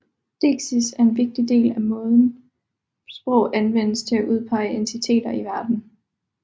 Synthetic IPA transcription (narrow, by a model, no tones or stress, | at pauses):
d̥e̝̰ɡ̥sisæɐe̝nʋe̝ɡ̥̚d̥ide̝̰ːlæmɔ̽ːðˠn̩ | sb̥ʁɔʊænʋen̰əst͡sʰe̝æʔuð̞ˠpʰɑ̈ɪ̰əent͡sʰit͡sʰe̝̰ːd̥ɐiʋæɐd̥n̩